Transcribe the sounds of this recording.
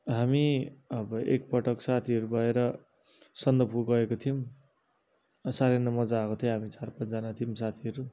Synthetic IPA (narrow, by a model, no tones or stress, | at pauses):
ɦamiʌbʌʔḛkpʌʈʌksat̪ʰiɦʌɾubʱʌeɾʌ | sʌnd̪ʌbkoɡʌekot̪ʰijom | saɾenʌmʌd͡zaːkot̪ʰijõɦamit͡sarpʌnt͡sd͡zanat̪ʰijomsat̪ʰiʌɾu